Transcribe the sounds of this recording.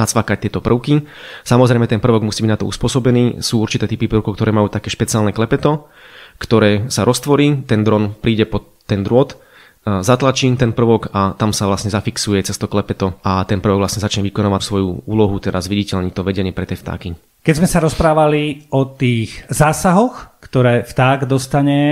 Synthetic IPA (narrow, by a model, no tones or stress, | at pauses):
nat͡sʋakac̚t̪ɪɛt̪ɔpr̩ʊkisamɔzɾɛjmɛt̪ɛnpr̩ʋɔɡmusiːbiɟnat̪ɔṵspʊɔsɔbɛniːsuːuɾt͡ʃit̪ɛːt̪ipipɾr̩ʊkɔʊkt̪ɔɾɛːmajuːt̪akɛːʃpɛt͡siɪaːlnɛklɛpɛt̪ɔ | kt̪ɔɾɛːsaɾʔɔst̪ʋɔɾiːt̪ɛnd̪ɾɔnpɾiːɟɛpɔt̪ːɛnd̪ɾʊɔt̪ | zat̪lat͡ʃiːt̪ɛnpr̩ʋɔkat̪amsaʋlasɲɛzafiksujɛt͡sɛst̪ɔklɛpɛt̪ɔat̪ɛnpr̩ʋɔɡʋlasɲɛzat͡ʃɲɛʋikɔnaːʋafsʋɔjuuːlɔɦut̪ɛɾʔazʋiɟicɛʎɲit̪ɔʋɛɟɛɲɪɛpɾɛt̪jɛːft̪a̰ːki | kɛzmɛsaɾɔspɾaːʋaliɔt̪iːɣzaːsaɦɔxkt̪ɔɾɛːft̪aːɡd̪ɔst̪aɲɛ